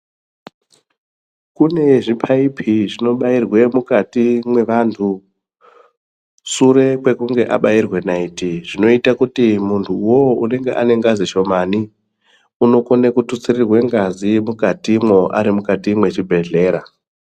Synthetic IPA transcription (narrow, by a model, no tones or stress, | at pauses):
kune̞ʐipʰaipʰiʐino̞ɓairwe̞mukatimwe̞ʋantʰu | suɾe̞kwe̞kuŋɡe̞ʔa̰ɓairwe̞naitiʐ̥ino̞itakutimuntʰuːwoune̞ŋɡe̞̰ʔa̰ne̞ŋɡaziʃo̞mani | uno̞konekutut͡sirirwe̞ŋɡazimukatimwo̞ʔa̰ɾimukatimwe̞t͡ʃibʱe̞ɮe̞ːɾa